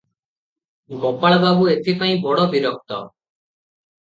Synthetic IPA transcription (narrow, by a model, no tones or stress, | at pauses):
ɡɔpaɭbʱabuet̪ʰipaĩbɔɽɔbiɾɔk̚t̪ɔ